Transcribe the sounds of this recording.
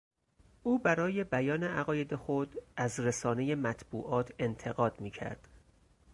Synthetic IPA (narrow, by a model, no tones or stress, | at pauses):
ʔuːbæɾɒːje̞bæjɒːne̞æɣɒːje̞d̪e̞xod̪̥æzɾesɒːne̞je̞mæt̪ʰb̥ṵːʔɒːt̪ʰe̞nt̪ʰe̞ɣɒːd̪̥miːcʰæ̰ɾd̪̥